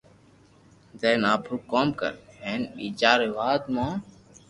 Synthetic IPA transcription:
zenaːpʰɾukoːmkə̰ɾɛnḭd͡ʒaːɾeʋaːd̪mõː

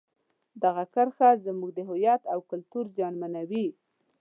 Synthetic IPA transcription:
d̪aɣakaɾxazəmuɡ̚d̪əɦʊjat̪awkʊlt̪uɾzjɑnmanawi

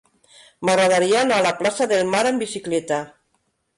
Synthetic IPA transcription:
maɣɾaðaɾiaːnaːlaplasaðelmaɾambisiklɛt̪a

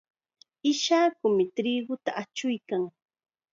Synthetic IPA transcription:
ɪʃaːkʊmɪt̪ɾiːɡʊt̪aʔat͡ʃʊjkaŋ

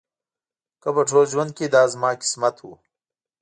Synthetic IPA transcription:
kɐbɐʈʰoːd͡ʑwɐn̚kid̪aːzmaːki̥smɐt̪hṵː

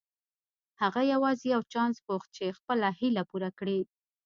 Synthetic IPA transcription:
haɣajawɑzejawt͡ʃɑnspoxt̪̚t͡ʃexpəlahilapuɾakɽi

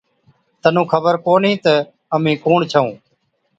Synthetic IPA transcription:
t̪ənũːkʰəbəɾkoːnĩːt̪ə | əmĩːkoːɳt͡ʃʰəũː

